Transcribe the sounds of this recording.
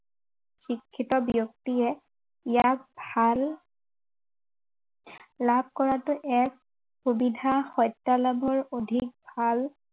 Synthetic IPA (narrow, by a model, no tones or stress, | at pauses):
xikʰːitɔbjɔk̚tiɛ | ijak̚bʱal | lab̚ʱkɔɹatʊʔɛk̚ | xubidʱaxɔjtːalabʱɔɹodʱik̚bʱal